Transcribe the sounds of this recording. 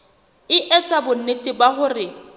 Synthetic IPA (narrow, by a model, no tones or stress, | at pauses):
ɪʔɛt͡sʼabʊn̩netʼɪbaχʊrɪ